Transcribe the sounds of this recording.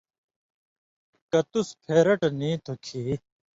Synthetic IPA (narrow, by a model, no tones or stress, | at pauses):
kɐt̪uspʰeːɾɐʈniːt̪ʰokʰiː